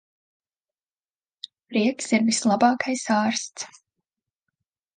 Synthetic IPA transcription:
ɾiɛksiɾvislˠabɑːkʰajsaːɾst̪s

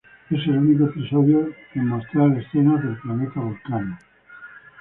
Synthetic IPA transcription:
eselunikoepisoðjokemost̪ɾalesθenazðelplanet̪aβolkano

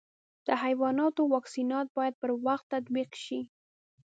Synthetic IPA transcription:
d̪̥əɦajwɑnɑt̪owɑksinɑt̪̚bɑjad̪̚pəɾwaxt̪ːat̪biqʃi

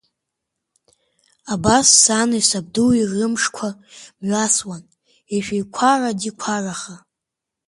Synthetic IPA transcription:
abasːanaisab̚duwirɨmʂkʷʰamɥaswan | eʃᶣejkʷʰaradikʷʰaraχa

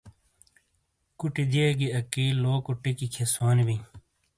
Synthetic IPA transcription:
kuʈid͡ʑeːɡiɐkiːloːkuʈikikʰesoːnibi

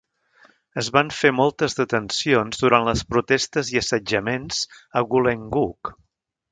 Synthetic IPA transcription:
əzβaɱfemɔlˠt̪əzðət̪ənsionzðuɾanləspɾut̪ɛst̪əziəsəd͡ʒəmenzəɣuleŋɡuk

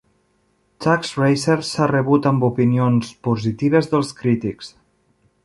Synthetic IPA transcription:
t͡ʃaksrejseɾsarəβut̪əmbupinionspuzit̪iβ̞əzðəlˠskɾit̪iks

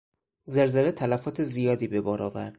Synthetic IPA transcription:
zælzelet̪ʰælæfɒːt̪ʰezijɒːd̪iːbe̞bɒːɾʔɒːvæ̰ɾd̪̥̚

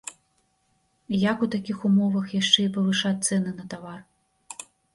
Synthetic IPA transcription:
jakut̪akʲixumɔvɐxjaʂt͡ʂɛipɐvɨʂat̪sɛnɨnɐt̪avar

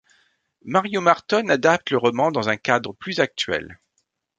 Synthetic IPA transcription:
maʁjomaʁt̪ɔnad̪ap̚t̪ləʁɔmɑ̃d̪ɑ̃zɛ̃kad̪ʁəplyzak̚t̪ɥɛ̰l

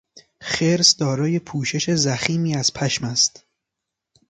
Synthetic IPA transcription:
xe̞ɾsd̪ɒːɾɒːje̞pʰuːʃe̞ʃe̞zæxiːmiːæz̥pʰæʃmæst̪

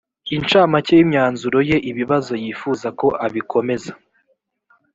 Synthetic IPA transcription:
int͡ʃaːmacejimɲaːnzuɾo̞je̞ʔiβiβazo̞jiːfuːzako̞ʔaβikʰo̞me̞za

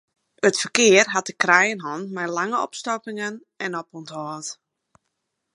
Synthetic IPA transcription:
ətfərkɪərɦat̚əkrɛjənɦɔnmɛjlaŋəɔ̰pstɔkɪŋən | ɛnɔpɔnthɔːt

